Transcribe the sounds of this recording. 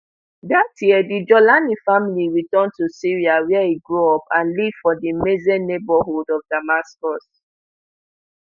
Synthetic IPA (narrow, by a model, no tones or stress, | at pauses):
datʰjiɛdid͡ʒɔlanifamiliɹitɔ̃ntusiɹiawɛɛiɡɹuɔpãnliv̥fɔdimezɛnebɔɦudɔvdamaskɔs